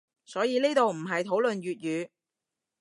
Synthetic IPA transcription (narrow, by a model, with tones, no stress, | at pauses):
sɔː˨˥jiː˨˧niː˥t̪o˨˧wm̩˨˩ɦɐ˨jt̪ʰo˨˥wlɵ˨nɥyː˨t̚jyː˨˧